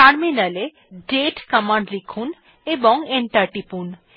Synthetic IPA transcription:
kaɾminale | ɖeʈkamaɳɖlikʰun | ebɔŋeɳʈaɾʈipun

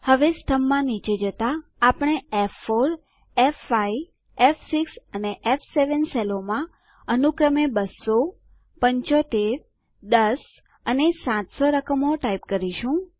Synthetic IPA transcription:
həʋest̪ʰəmːãnit͡ʃed͡ʒət̪aːpɽ̃eefːoɾ | efːai | efsiksəneʔefseʋənselomã | ənukɾəmebəsːo | pəɲt͡ʃot̪eɾ | d̪əs | ənesãt̪soɾəkəmoʈaipkəɾiʃũ

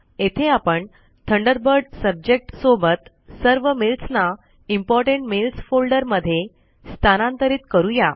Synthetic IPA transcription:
et̪ʰeapəɳ | t̪ʰəɳɖəɾbəɾɖsəb̚d͡ʑek̚ʈsobət̪ | səɾʋəmilsna | impɔɾʈẽɳʈmilsfolɖəɾməd̪ʱːje | st̪ʰanãnt̪əɾiːt̪kəɾũja

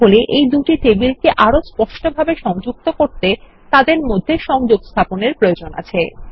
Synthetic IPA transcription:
oleʔejd̪uʈiʈebilkeʔaɾospɔʃʈobʱabeʃɔŋd͡ʑuk̚t̪okoɾt̪e | t̪ad̪eɾmod̪ʱːeʃɔŋd͡ʑoɡst̪ʰaponeɾpɾojod͡ʑona̰t͡ɕʰe

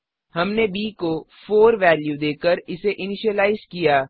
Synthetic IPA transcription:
ɦɐmnebiːkofʰoːɾʋɛːljud̪eːkəɾɪseʔɪnɪʃəlaːɪzkijaː

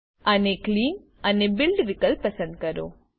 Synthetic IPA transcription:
ənekliːn | ənebɪlɖʋɪkəlpəsə̃nd̪̚kəɾo̰

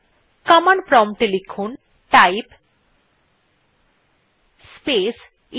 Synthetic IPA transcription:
kamanpɾɔmʈelikʰon | ʈajp | spes | i

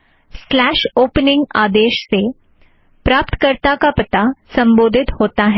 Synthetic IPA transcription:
slæːʃoːpnɪ̃ŋɡaːd̪eːʃse | pɾaːpt̪kəɾt̪akapət̪asɐ̃mbod̪ʱɪt̪hoːt̪aɦɛ

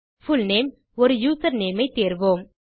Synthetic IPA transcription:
fʊlneːm | ɔɾɯjuːsɐɾneːmɐɪt̪eːɾʋoːm

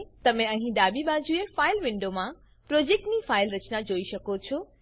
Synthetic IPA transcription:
t̪ɐmẽɐ̃ɦĩɗaːbibaːd͡ʑuefaːɪlʋɪ̃ɳɖomã | pɾoːd͡ʑeːk̚ʈnifaːɪlɾɐt͡ɕnad͡ʑoːiʃɐkot͡ɕʰo

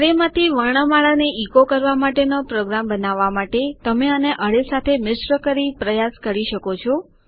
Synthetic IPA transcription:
ɾemãt̪ʰiʋəɳ̃əmaɭaneʔikokəɾʋamaʈenopɾoɡɾambənaʋːamaʈet̪əmeəneʔəɭesat̪ʰemɪsɾəkəɾipɾəjaskəɾiʃəkot͡ʃʰɔ

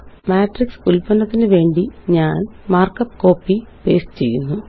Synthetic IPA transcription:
maːʈriksulpɐnɐt̪ːinɨʋe̞ːɳɖiɲaːnmaːrkɐpːko̞ːpːipe̞̰ːst͡ɕe̞̰jːunːu

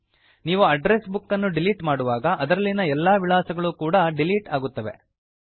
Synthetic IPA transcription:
niːʋuɐɖɾesbukːɐnːuɖiliːʈmaːɽuʋaːɡɐʔɐd̪ɐɾɐlːinɐɛlːaːʋiɭaːsɐɡɐɭukuːɽɐɖiliːʈaːɡut̪ːɐʋe̞̰

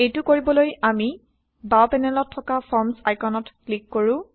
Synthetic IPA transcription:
ejtʊkoɹibɔlojami | bawpɛnɛlɔtʰːɔkapʰɔɹmsajkʰɔnɔtklikːoɹʊ̃

